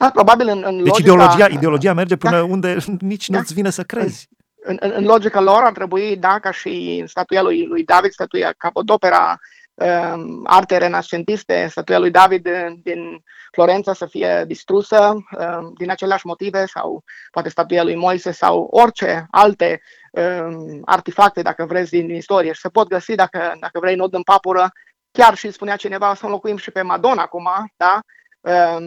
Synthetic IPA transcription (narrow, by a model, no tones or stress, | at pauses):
apɾo̞babilɨnɨnleot͡ʃid͡ʒdeoload͡ʒiaʔid̪eolo̞d͡ʒiame̞rd͡ʒe̞pɨnəund̪e̞nit͡ʃnut̪sʲvinəsəkɾe̞zʲ | ɨnɨnɨnlo̞d͡ʒikalo̞ɾart̪ɾe̞buid̪akaʃist̪at̪ujalujlujd̪avid̪̥st̪at̪uja̰kapod̪o̞pe̞ɾa̰ | əa̰rt̪eɾe̞nast͡ʃe̞nt̪ist̪e̞̰st̪at̪ujalujd̪avid̪d̪in | flo̞ɾe̞nt̪sasəfije̞̰d̪ist̪ɾusəəd̪inat͡ʃe̞leaʃmo̞t̪ive̞sa̰wpoat̪e̞st̪at̪ujalujmo̞jse̞sa̰wo̞rt͡ʃe̞alt̪e̞ | əa̰rt̪ifak̚t̪e̞d̪a̰kəvɾe̞zʲd̪inist̪o̞ɾijeʃi̥səpo̞t̪̚ɡəsid̪akəd̪akəvɾe̞jno̞d̪ɨnpapuɾə | kʲarʃispuneat͡ʃine̞vaosəolo̞kuimʃipe̞mad̪o̞nakumad̪a | ə